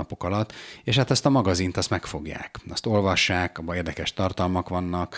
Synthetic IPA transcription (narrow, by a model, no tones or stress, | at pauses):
ɒpo̞kɒlɒt̪ːeːʃhat̪ɛst̪ɒmɒɡɒzint̪ɒst̪mɛkfo̞ɡja̰ːkɒst̪o̞lvɒʃːaːkɒbːɒeːrd̪ɛkɛʃt̪ɒrt̪ɒlmɒkʋɒnːɒk